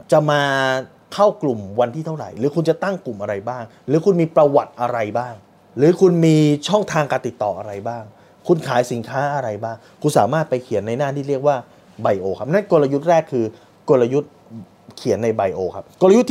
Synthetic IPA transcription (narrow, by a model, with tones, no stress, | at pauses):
t͡ɕa˨˩maː˧ | kʰa˥˩wklu˨˩mwa˧nt̪ʰiː˥˩a˥˩wɾa̰˨˩jɾɯː˨˦kʰu˧nt͡ɕa˨˩ʔt̪a˥˩ŋklu˨˩mʔa˧ɾa˧jbaː˥˩ŋ | ɾɯː˩˦kʰu˧nmiː˧pɾa˧wa˨˩t̪̚ʔa˧ɾa˧jbaː˥˩ŋ | ɾɯː˩˦kʰu˧nmiː˧t͡ɕʰɔ˥˩ŋt̪ʰaː˧ŋkaː˧nt̪i˨˩t̪ːɔ̰ː˨˩ʔa˧ɾa˧jbaː˥˩ŋ | kʰu˧nkʰaː˩˦jsi˩˦nkʰaː˦˥ʔa˧ɾa˧jbaː˥˩ŋ | kʰu˧nsaː˩˦maː˥˩t̪̚pa˧jkʰi˨˩˦ənːa˧jnaː˥˩iː˥˩ɾi˥˩ək̚waː˥˩ | ba˧jʔoː˧kʰa˦˥p̚na˦˥nko˧la˧ju˦˥t̪̚ɾɛː˥˩kʰːɯː˧ | ko˧tla˧ju˦˥t̪̚ | kʰi˨˩˦ənːa˧jba˧jʔoː˧kʰa˦˥p̚ko˧lju˦˥t̪ːʰ